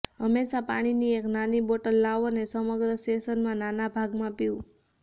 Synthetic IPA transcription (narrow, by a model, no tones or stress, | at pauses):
ɦəmːeʃapa̰ɽ̃inieknaniboʈəlːaʋonesəməɡɾəsʈesənmãnanabʱaɡmãpiũ